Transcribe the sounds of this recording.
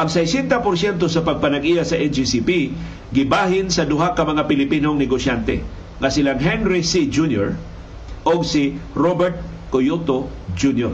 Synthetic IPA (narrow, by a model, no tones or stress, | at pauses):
ʔɐŋsajsɛnt̪apʊɾsjɛnt̪osɐpɐɡ̚pɐnaɡijasɐʔɛnd͡ʒisipi | ɡɪbaːhɪnsɐd̪ʊɦakɐmɐŋapɪlɪpinoŋnɪɡosjant̪ɛ̰ | ŋasɪlaŋɦɛnɾɪsid͡ʒunjo̰ɹ | ʔoɡsɪɾobɛɹt̪̚ | kojot̪o | d͡ʒunjoɹ